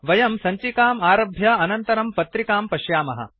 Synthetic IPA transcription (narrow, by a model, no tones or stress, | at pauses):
ʋɐjɐmsɐɲt͡ʃikaːmaːɾɐbʱjɐɐnɐnt̪ɐɾɐmpɐt̪ɾikaːmpɐʃjaːmɐ̰ɦɐ̰